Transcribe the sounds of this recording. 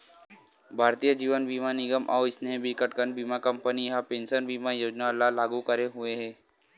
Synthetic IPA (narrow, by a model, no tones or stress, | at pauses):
bʱaɾt̪ijəd͡ʒiʋənbʱimaniɡəmʔa̰wisnebikəʈkənbʱimakəmpəniɦapẽnsənbimajoːd͡ʒnalalaɡukəɾeɦueɦe